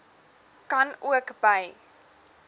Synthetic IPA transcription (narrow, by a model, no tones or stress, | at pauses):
kɐnuəkbəj